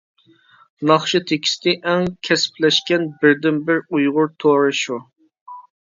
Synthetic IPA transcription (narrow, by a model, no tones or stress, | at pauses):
nɑχʃɨt̪ʰekʲʰi̥st̪ʰɪʔɛŋkʲʰɛsɪ̥plɛʃkʲɛnbɪɾd̪ɪnbɪɾujʁʊɾt̪ʰoɾɨʃu